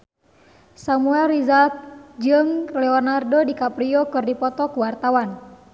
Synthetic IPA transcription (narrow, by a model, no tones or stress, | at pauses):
samuɛlrizat̪̚d͡ʒɨŋlɛɔnardodikapɾiɔkɨrdipɔt̪ɔkuwart̪awan